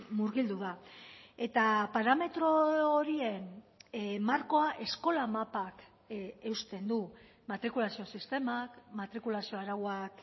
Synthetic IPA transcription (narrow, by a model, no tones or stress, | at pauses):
muɾɣild̪uðae̞t̪apaɾame̞t̪ɾo̞oɾie̞n | maɾko̞aʔe̞sko̞lamapak | e̞ust̪e̞nd̪u | mat̪ɾikulasio̞sist̪e̞makmat̪ɾikulasio̞aɾaɣwak